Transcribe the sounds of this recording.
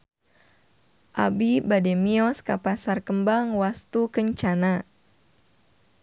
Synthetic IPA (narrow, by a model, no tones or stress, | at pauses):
ʔa̰bibademiɔskapasarkəmbaŋwast̪ukəɲt͡ʃana